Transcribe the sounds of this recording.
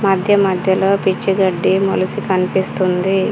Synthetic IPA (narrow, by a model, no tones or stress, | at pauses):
mɐd̪ʱjɐmɐd̪ʱjɐlo̞ːpit͡ʃːiɡɐɖːimṵlusikɐnipist̪und̪i